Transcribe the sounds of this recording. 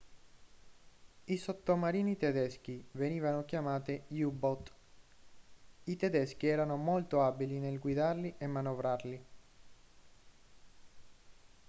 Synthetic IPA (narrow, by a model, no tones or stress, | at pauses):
isot̪ːomaɾiːnit̪ɛd̪ɛsk̟iveniːvanokjamaːt̪ijubɔt̪ | it̪ɛd̪ɛsk̟iɛːɾanomolt̪oabilinelɡwid̪arliʔemːanovɾarli